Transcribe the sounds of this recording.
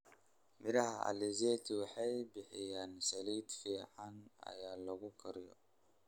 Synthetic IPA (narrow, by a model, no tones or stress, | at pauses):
mɪɾɐhɐɐ̰lizeːt̪ʰiwɑħajbɪħɪjaːnsɐliːd̪fiːʕanɐ̰jaːlɐɡʊkʰɐɾɪjɔ̰